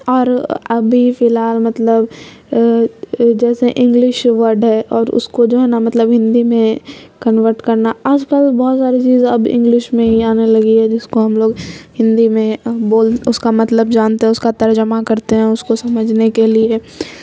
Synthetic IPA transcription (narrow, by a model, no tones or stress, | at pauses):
ɔːɾɐbʱifɪlɦaːlmɐt̪ləb | d͡ʒɛːseʔɪ̃ŋɡlɪʃʋɐɾɖɦɛːʔɔːɾʊ̰skod͡ʒoːɦɛnamɐt̪ləbɦɪ̃nd̪imẽ | kɐnʋəɾʈkɐɾnaaːd͡ʒkəlbɔːt̪saːɾit͡ʃiːzɐbɪ̰̃ŋɡlɪʃmẽɦiaːnelɐɡiɦɛd͡ʒɪskoɦɐmloːɡhɪ̃nd̪imẽboːlʊskamɐt̪ləbd͡ʒaːnt̪eɦɛʊskat̪ɐɾd͡ʒəmakɐɾt̪eɦɛ̃ʊskosɐməd͡ʒʱnekelie